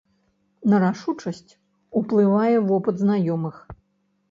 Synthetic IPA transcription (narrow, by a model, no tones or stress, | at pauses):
nɐɾaʂut͡ʂɐsʲt͡sʲ | uplˠɨvajɛvɔpɨd̪znajɔmɨx